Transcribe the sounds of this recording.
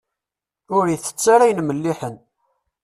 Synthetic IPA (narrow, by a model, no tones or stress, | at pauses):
ʊɾjθə̥t͡sːaɾæjənməlːiħən